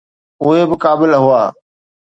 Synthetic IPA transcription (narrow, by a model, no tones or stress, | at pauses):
ʊɦebɪkaːbɪlɦʊa̰ː